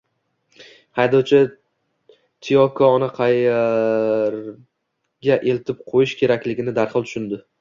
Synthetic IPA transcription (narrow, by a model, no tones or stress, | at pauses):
hajd̪ɒwt͡ʃʰa | t̪ʰijɒkʰɒnɪqʰɑj | ɾ | ɡʲaʔe̞lt̪ʰɪp̚qʰojɪʃkʲʰe̞ɾakʲlɪɡʲɪnɪd̪aɾχɨlˠt̪ʰʊ̥ʃɪnd̪ɪ